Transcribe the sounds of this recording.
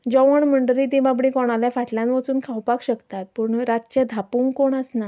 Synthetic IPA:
d͡ʑɔʋəɳməɳɖɾit̪ĩbabɽĩkɔɽ̃aljãfaʈʰljãnʋəsuːnkʰawpakɕəkt̪at̪̚pəɳɾat̪̚t͡ɕəd̪ʱapuːŋkkoɳəsna

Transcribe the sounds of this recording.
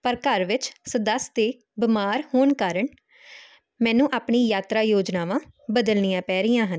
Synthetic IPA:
pəɾkəɾʋɪt͡ʃsəd̪əst̪eː | bɪmaːɾhoːɳkaːɾəɳ | mɛ̃ːnũːʔaːpɳiːjaːt̪ɾaːjoːd͡ʒnaːʋãːbəd̪əlnijãːpɛːɾɪjãːɦən

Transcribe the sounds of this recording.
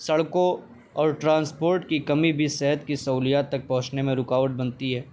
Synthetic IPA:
sɐɭkõ | ɔːɾʈɾãːnspoːɾʈkikɐmibʱisɛɦət̪̚kisɐuːlijaːt̪ːɐk̚pɐɦʊ̃t͡ʃnemẽɾʊkaːʋəʈ̚bɐnt̪iɦɛː

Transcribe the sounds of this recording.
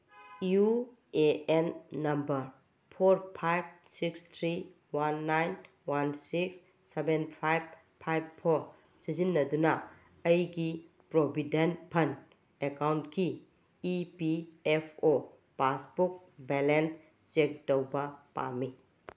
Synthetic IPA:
ju | eenːɐmbɐɾ | pʰoɾpʰajb̚sikstʰɾi | wanːajn | wansiksː | ebenpʰajb̚ | pʰajbpʰoɾ | sizinːɐdunɐ | ɐjɡi | pɾobʱidenpʰɐn | ekawntkiː | piepʰo | pasbuk̚ | belens | t͡ʃek̚təwbɐpa̰mːi

